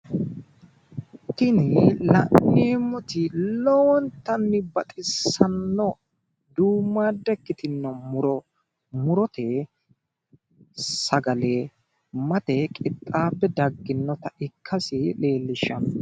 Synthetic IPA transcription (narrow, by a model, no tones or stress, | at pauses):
t̪ɪnɪlɐʔeːmːɔt̪ɪllɔwɔnt̪ːɐnːɪbɐt̪ʼɪsːɐnːɔ | d̪uːmːaːd̪ɛkːɪt̪ɪnːɔmʊɾɔ | mʊɾɔt̪ɛ | sɐɡɐleː | mɐt̪ɛkʼɪt̪ʼːaːbːɛd̪ɐɡːɪnːɔt̪ɐʔɪkʰːɐsɪle̞ːlːɪʃɐn